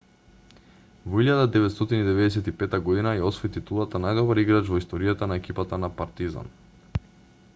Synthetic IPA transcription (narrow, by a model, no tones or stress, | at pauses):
vɔiʎad̪ad̪ɛvɛt̪st̪ɔt̪inid̪ɛvɛd̪ɛsɛt̪ipɛt̪aɡɔd̪inajaɔsvɔit̪it̪ulˠat̪anajd̪ɔbaɾiɡɾat͡ʃvɔist̪ɔɾijat̪anaɛkipat̪anapaɾt̪iza̰n